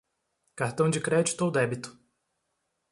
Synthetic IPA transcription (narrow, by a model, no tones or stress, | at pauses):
kaɾt̪ɐ̃w̃d͡ʒɪkɾɛd͡ʒi̥t̪ʊowd̪ɛbit̪ʊ̥